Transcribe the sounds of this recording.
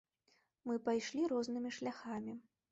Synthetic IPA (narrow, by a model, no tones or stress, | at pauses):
mɨpajʂlʲiɾɔznɨmʲiʂlʲaxamʲi